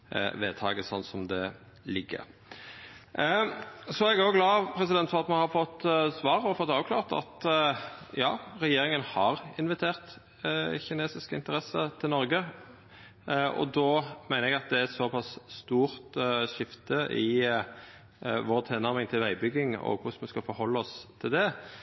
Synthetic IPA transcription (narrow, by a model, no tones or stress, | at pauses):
ʋeːt̪ʰɑ̰ːɡəsɔnːsɔmd̪ɛ | lɪɡːə̰ʁ | sɔɛɡæɾjʊɡlɑːpʰɾɛsɪd̪ɛnt̪sɔmɑnhɑɾfɔt̪ːsʋɑːʁɔfɔt̪ːɑːʋkʰlɑ̰ːʁt̪ɑ̰t̪ | jɑːʁɛjeːɾɪŋənhɑʁɪnʋɪt̪ʰeːʁt̪ | çɪneːsɪskəɪnt̪əɾɛsət̪ʰɪlnɔɾɡə | ɔ̰d̪ɔmæɪnəɛɡɑt̪̚d̪ɛtsɔpʰɑsst̪uːʁt̪ʃɪft̪əʔɪ | ʋoːɾt̪ʰeːnɑʁmɪŋt̪ʰɪlʋæɪbʏɡɪŋɔ̰kʰʊsməskɑfɔɾhɔlːəɔst̪ʰɪld̪ɛ